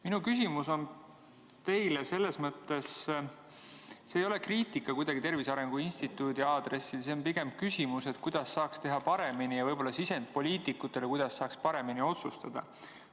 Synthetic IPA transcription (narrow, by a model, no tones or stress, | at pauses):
minukys̬ʲimuso̞n | t̪e̞jlese̞lːe̞smɤt̪ːˑe̞s | seːjo̞le̞kriːt̪ˑikːˑɑkujd̪̥ɑɡ̥it̪e̞rvisɑɾe̞ŋɡ̥uinʲsʲt̪it̪ːˑuːd̪iɑːd̪̥re̞sːiseonpiɡe̞mkysʲimuse̞t̪kujd̪̥ɑsːɑːkst̪e̞ɦɑpɑɾe̞minijɑvɤjbo̞lːɑsise̞nd̪̚po̞lʲiːt̪ikːˑut̪ːˑe̞lekujd̪̥ɑsːɑːkspɑɾe̞minio̞t̪sust̪ɑd̪̥ɑ̰